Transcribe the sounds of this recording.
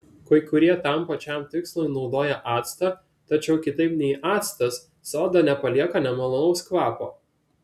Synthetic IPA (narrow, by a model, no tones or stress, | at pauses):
koɪkʊɾʲiɛt̪ɐˑmpɐt͡ʃʲæˑmt̪ʲɪkslˠʊɪnɒʊd̪oːjɛʔɑːt̪st̪ɐ | t̪ɐt͡ʃʲɛʊkʲɪt̪ɐɪpnʲɛɪʔɑːt̪st̪ɐsː | oːd̪ɐnʲɛpɐlʲiɛkɐnʲɛmɐlˠɐnɐʊskʋɑːpo̰ː